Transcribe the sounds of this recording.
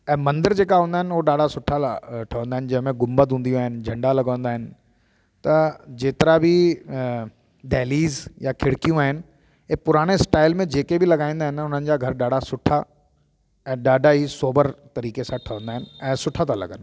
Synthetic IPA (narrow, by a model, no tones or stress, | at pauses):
ɛ̃ːmɐ̃nd̪əɾd͡ʑeːkaɦũːnd̪aːɦɪnʊɦoɗaːɖʱasʊʈʰaʈʰɐʋə̃nd̪aːɪnɪ̆d͡ʑɐ̃ɦmẽɡʊmbət̪ɦũːnd̪iũaːɦɪnɪ̆d͡ʑʱɐ̃ɳɖalɐɡʋə̃nd̪aːɦɪnɪ̆ | t̪ɐd͡ʑeːt̪ɪɾabʱɪ | ɖɛːliːzjakʰɪɽkijũaːɦɪnɪ̆ | pʊɾaːɽ̃esʈaːɪlmẽd͡ʑeːkebʱɪlɐɡaːĩːnd̪aɦɪ̃nʊn̤ənɪ̆d͡ʑaːɡʱɐɾɗaːɖʱasʊʈʰa | ɛ̃ːɗaːɖʱaɦisoːbəɾt̪ɐɾiːkesãʈʰɐʋə̃nd̪aːɦɪnɪ̆ɛ̃ːsʊʈʰat̪ʰalɐ̰ɡənɪ̆